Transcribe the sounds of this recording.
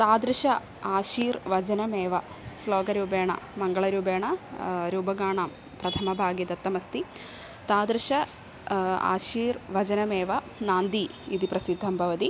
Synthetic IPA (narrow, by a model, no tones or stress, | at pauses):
t̪aːd̪ɾɨʂɐ | aːʃiːɾʋɐd͡ʑɐnɐmeːʋɐ | sloːɡɐɾuːbeːɳɐ̰mɐŋɡɐɭɐɾuːbeːɳɐɾuːbɐɡaːɳaːm | pɾɐt̪ʰɐmɐbʱaːɡjid̪ɐt̪ːɐmɐst̪i | t̪aːd̪ɾɨʂɐ | a̰ːʃiːɾʋɐd͡ʑɐnɐmeːʋɐ | naːnd̪iid̪ipɾɐsid̪ʱːɐmbʱɐʋɐt̪i